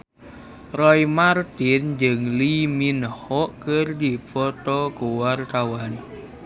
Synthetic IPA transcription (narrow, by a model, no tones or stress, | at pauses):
rɔjmart̪ind͡ʒəŋliminhɔʔkərd̪ipɔt̪okuwart̪awan